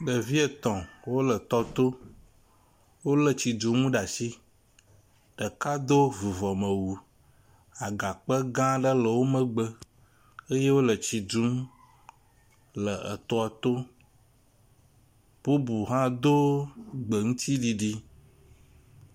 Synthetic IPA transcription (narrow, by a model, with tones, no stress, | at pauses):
ɖə˨vi˦ə˨t̪ɔ̃˨wo˦lə˨t̪ɔ˦t̪o˦ | wo˦lə˨t͡ɕi˨d͡ʒũ˨ŋũ˦ɖa˨si˦ | ɖ̥ə˨ka˦d̪o˦vi˨vɔ˨mə̃˨wu˨ | a˨ɡa˨k͡pə˦ɡã˦ɖə˦lə˨wo˦mə̃˦ɡ͡bə˦ | ə˦je˦wo˦lə˨t͡ɕi˨d͡ʒu˦m | lə˨ə̰˨t̪ɔ˦a˨t̪o˦ | b̥u˦bu˨ɦã˦d̪o˦ɡ͡bə˨ŋũ˦t̪ʰi˦ɖi˨ɖi˦